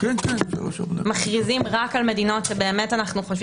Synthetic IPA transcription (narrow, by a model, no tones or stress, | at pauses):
kɛnkɛnzḛlo̰ʃṵm̰maχʁizimʁakalme̞dino̞tʃebe̞ːmetanaχnuχoʃv